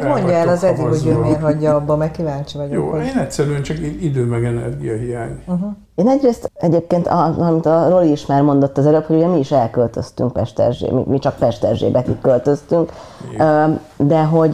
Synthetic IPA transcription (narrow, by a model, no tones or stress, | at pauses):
mo̞ɲɟɔɛlɒzɛd̪ːikhoɟøːmeːrɦɒɟːɒːbːɒmɛkːivaːnt͡ʃivɒɟjoːeːnɛtsɛɾyɛnt͡ʃɒkiid̪øːmɛɡɛnɛ̰rɡijɒɦijaːɲɦ | eːnɛɟreːst̪ɛɟeːp̚keːnt̪ɒɒmit̪ɒro̞liːʃmaːrmo̞nd̪o̞t̪ːɒzɛlø̞pho̞ɟuɟɛmiːʃɛlkølt̪ø̞st̪y̰ŋk̚pɛʃt̪ɛ̰rʒḛːmḭmit͡ʃɒk̚pɛʃt̪ɛrʒḛːbɛk̪ikkːølt̪ø̞st̪yŋkː | d̪ɛɦo̞ɟ